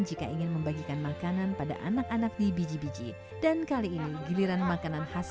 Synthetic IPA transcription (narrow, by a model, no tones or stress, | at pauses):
d͡ʒikaʔiŋɪnməmbaɡikanmakananpada̰ʔa̰nakanak̚dibid͡ʒibid͡ʒḭ | dankaliːniɡiliɾanmakananhas